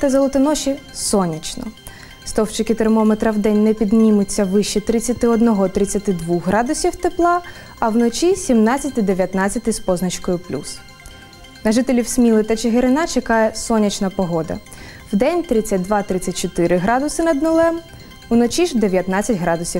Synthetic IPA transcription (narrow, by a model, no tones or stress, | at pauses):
t̪ɐzɔlˠɔt̪ɪnɔʃʲisɔnʲɐt͡ʃnɔ̰ | st̪ɔwt͡ʃɪkɪt̪ermɔmet̪ɾɐwd̪ɛnʲnɛpʲid̪nʲimʊt͡sʲːɐʋɪʃt͡ʃit̪ɾɪt͡sʲːɐt̪ɪɔd̪nɔɦɔt̪ɾɪt͡sʲːɐt̪ɪd̪ʋuxɦɾɑd̪ʊsʲiwt̪ɪplˠɑ | ɐwnɔt͡ʃʲisʲimnɑt͡sʲːɐt̪ɪd̪eʋʲjɐt̪nɑt͡sʲɐt̪ɪspɔznɐt͡ʃkɔjʊplʲṵs | nɐʒɪt̪elʲiwsʲmʲilˠɪt̪ɐt͡ʃeɦɪɾɪnɑt͡ʃekɑjɛsɔnʲɐt͡ʃnɐpɔɦɔd̪ɐ̰ | wd̪ɛnʲt̪ɾɪt͡sʲɐt̚ʲd̪ʋɑt̪ɾɪt͡sʲːɐt̚ʲt͡ʃɔt̪ɪɾɪɦɾɑd̪ʊsɪnɐd̪nʊlˠɛm | unɔt͡ʃʲiʒd̪e̞ʋʲjɐt̪nɑt͡sʲːɐtʲɦɾɑd̪ʊsʲi